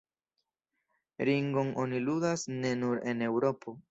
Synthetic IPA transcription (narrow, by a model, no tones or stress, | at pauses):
ɾiŋɡo̞no̞niludasne̞nuɾe̞ne̞wɾo̞pʰo̞